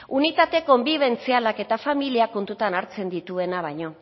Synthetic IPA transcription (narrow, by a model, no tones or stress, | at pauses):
unit̪at̪e̞ko̞mbiβ̞e̞nt͡sialake̞t̪afamiliako̞nt̪ut̪anaɾt͡se̞nd̪it̪ue̞naβ̞ajɲo̞